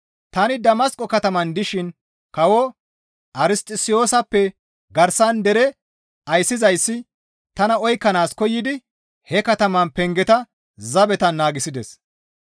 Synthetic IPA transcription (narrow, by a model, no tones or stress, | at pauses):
t̪ɐnɪd̪ɐmɐskʼːɔkɐt̪ɐmɐnd̪ɪʃɪn | kɐwɔ | ʔɐɾɪst̪ʼɪsɪjo̞ːsɐpːɛ | ɡɐɾsɐnd̪ɛɾɛ | ɐjsːɪzɐjsːɪ | t̪ɐnɐɔjkːɐnaːskɔjːɪd̪ɪ | hɛkɐt̪ɐmɐnpɛŋɡɛt̪ɐ | zɐbɛt̪ɐnːaːɡɪsɪd̪ɛs